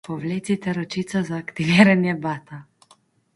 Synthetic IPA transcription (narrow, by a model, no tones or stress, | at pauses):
pɔʋleːt̪it̪ɛɾɔt͡ʃit̪sɔzaːkt̪iʋiːɾanjɛbaːt̪a